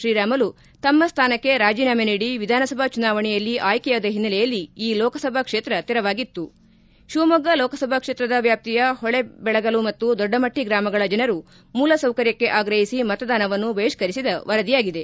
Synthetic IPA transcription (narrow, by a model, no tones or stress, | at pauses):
ʃɾiːɾaːmɐlu | t̪ɐmːɐst̪ʰaːnɐkːe̞ɾaːd͡ʒiːnaːmeniːɽiʋid̪ʱaːnɐsɐbʱɐt͡ʃunaːʋɐɳɛjɐlːiʔaːjkɛjaːd̪ɐɦinːɐlɛjɐlːiiːlɔːkɐsɐbʱɐkʂeːt̪ɾɐt̪iɾɐʋaːɡit̪ːu | ʃumɐɡɐlɔːkɐsɐbʱɐkʂeːt̪ɾɐd̪ɐʋjaːp̚t̪ijɐhɔɭe̞bɛɭɐɡɐlumɐt̪ːud̪ɔɖːɐmɐʈːiɡɾaːmɐɡɐɭɐd͡ʒɐnɐɾu | muːlɐsɐwkɐɾjɐkːe̞ʔaːɡɾɐɦisimɐt̪ɐd̪aːnɐʋɐnːuʋɐiʃkɐɾisid̪ɐʋɐɾɐd̪ijaːɡid̪e̞